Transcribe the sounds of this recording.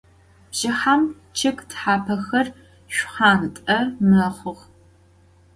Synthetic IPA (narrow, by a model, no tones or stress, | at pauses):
bʒ̥ɪħam | t͡ʃʰɪkʼtħaːpʰɐxɐr | ʃʷχaːntʼɐmɐʁʷʊʁ